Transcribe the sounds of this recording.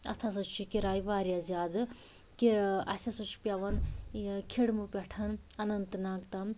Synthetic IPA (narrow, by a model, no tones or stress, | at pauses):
ɐ̰t̪ʰas̬ɐt͡ʃʰikiɾaːjʋaːɾjazʲaːd̪ɨ | kiɾɐ̰sʲɐsɐt͡ʃʰi̥pʲjɐʋɐnkʰeɽmupʲɛʈʰɐnɐnɐnt̪naːɡt̪ɐm